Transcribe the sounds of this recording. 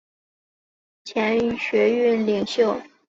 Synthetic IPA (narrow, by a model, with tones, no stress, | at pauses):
t͡ɕʰjɛ˧˥n˩ɕɥɛ˧˥y˥˩nli˨˩ŋɕjo˥˩ʊ